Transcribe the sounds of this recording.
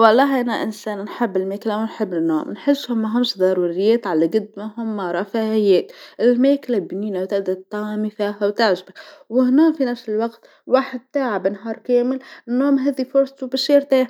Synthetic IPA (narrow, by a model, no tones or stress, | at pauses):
wɑlˤːɑːɦʔanaʔɪnseːnnħɪbːɪlmeːklawnħɪbːɪnːo̰ːmnħɪsːhʊmːaɦamsd̪ɑɾˤuɾɪjeːt̪ʕalaɡɪd̪mahʊmːaɾˤɑfaʕɪjːeːt̪ʔɪlmeːklabniːnawt̪ɪʔd̪at̪ːɑːmifiːɦawt̪aʕʒbawɪhnoːfinafsɪlwaɡt̪ | waːħɪd̪̚t̪aːʕabɪnɦɑːɾˤkeːmɪlnːoːmɦaːd̪ifʊɾsˤɑt̪ubaʃiːɾt̪eː